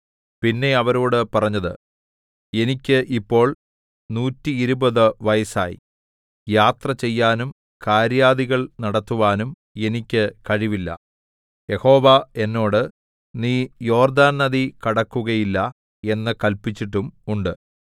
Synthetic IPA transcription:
pinːe̞ɐʋɐɾoːɽɨpɐrɐɲːɐðɨ | e̞nikʲːɨʔipːo̞ːɭ | nuːtːiːɾubɐðɨʋɐjɐsa̰ːjḭ | jaːt̪rɐt͡ɕe̞jːaːnum | kaːɾjaːðiɣɐɭnɐɽɐt̪ːuʋaːnum | e̞nikʲːɨkɐɻiʋilːɐ̰ | je̞ho̞ːʋɐe̞nːo̞ːɽɨ | niːjo̞ːrd̪aːnnɐðikɐɽɐkːuɣɐjilːɐ | e̞nːɨkɐlpit͡ɕːiʈːumuɳɖɨ

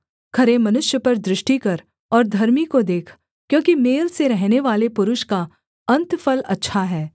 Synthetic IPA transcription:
kʰɐɾemɐnʊʃjəpɐɾd̪ɾɪʃʈikɐɾ | ɔːɾd̪ʱɐɾmikod̪eːkʰ | kjõːkimeːlseɾɛɦneʋaːlepʊɾʊʃka | ɐ̃nt̪fʰɐlɐ̰tːʃʰaɦɛː

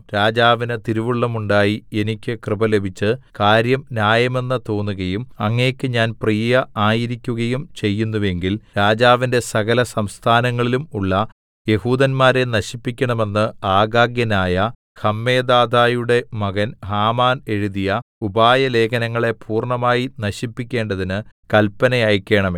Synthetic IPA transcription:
ɾaːd͡ʑaːʋinɨt̪iɾuʋuɭːɐmuɳɖaːjie̞nikʲːɨkrɨbɐlebʱit͡ɕːɨkaːɾjɐmnjaːjɐme̞nːɨt̪o̞ːnːuɣɐjumɐŋːekʲːɨɲaːnprijjɐaːjiɾikʲːuɣɐjumt͡ɕe̞jːunːuʋe̞ŋɡilɾaːd͡ʑaːʋinde̞sɐɣɐlɐsɐmst̪ʰaːnɐŋːɐɭilumuɭːɐ | je̞huːd̪ɐnmaːɾe̞nɐɕipːikʲːɐɳɐme̞nːɨaːɡaːɡjɐnaːjɐ | hɐmːe̞ːd̪aːd̪ʱaːjuɽe̞mɐɣɐnhaːmaːne̞ɻuðijɐubaːjɐle̞ːkʰɐnɐŋːɐɭe̞pʰuːrɳɐmaːjinɐɕipːikʲːe̞ːɳɖɐðinɨkɐlpːɐnɐjaːjkʲːe̞ːɳɐm

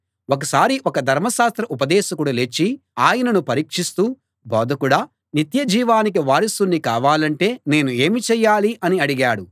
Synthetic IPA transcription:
ɔkɐsaːɾiʔɔkɐd̪ʱɐɾmɐʃaːst̪ɾɐʔupɐd̪ɛːʃɐkuɽɐlet͡ʃːiaːjɐnɐnupɐɾiːkʂist̪uː | bɔːd̪ʱɐkuɽaː | nit̪jɐd͡ʒiːʋaːnik̬iʋaːɾisunːikaːʋaːlɐɳʈe̞ːne̞ːnue̞ːmit͡ʃɛjːaːliʔɐniɐɽiɡaːɽu

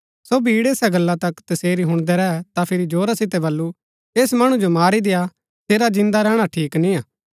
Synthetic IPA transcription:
sobʱiːɽeːsɛɡɐlːat̪ɐkt̪ɐseːɾiɦʊ̃ɽ̃d̪ɛɾɛɛt̪apʰɪɾid͡ʒoːɾasɪt̪ɛbɐlːu | eːsmɐɽ̃ũd͡ʒomaːɾid̪ɪja | seːɾad͡ʒɪ̃nd̪aɾɛːɽ̃aʈʰiːknĩaː

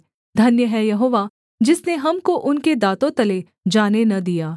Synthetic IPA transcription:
d̪ʱɐnjəɦɛjɐɦoːʋaː | d͡ʒɪsneɦɐmkoʔʊnked̪aːt̪õt̪ɐle | d͡ʒaːnenɐd̪ijaː

